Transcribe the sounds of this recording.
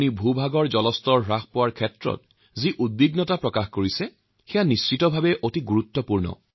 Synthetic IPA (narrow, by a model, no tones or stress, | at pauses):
nibʱubʱaɡɔɹzɔlɔstɔɹɹaxpɔwaɹkʰɛtɹɔ̰t̚ | ziʔud̚biɡnɔtapɹɔkaxkoɹisɛ | xɛjanist͡ʃitɔbʱabɛʔotiɡuɹut̪ːɔpuɹnɔ̰